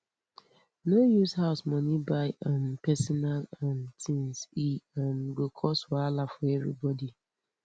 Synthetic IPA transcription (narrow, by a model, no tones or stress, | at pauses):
nojushaʊsmɔnibaɪʔãnpɛsɔnalãntʰĩnsiãnɡokʰɔswɔalafɔɛvɾḭbɔdi